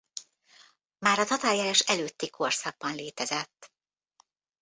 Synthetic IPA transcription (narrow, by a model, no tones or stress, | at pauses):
maːɾɒt̪ɒt̪aːjjaːɾaʃɛløːt̪ːikʰo̞rsaɡ̚bɒnleːt̪ɛzɛt̪ː